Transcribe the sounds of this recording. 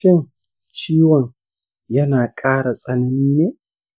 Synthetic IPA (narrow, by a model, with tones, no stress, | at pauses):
ɛ˦n | t͡ʃiː˦wɐ˦˨n | jɐ˦naː˨kʼaː˦ɾɐ˨sʼɐ˨nɪ˦nːe˦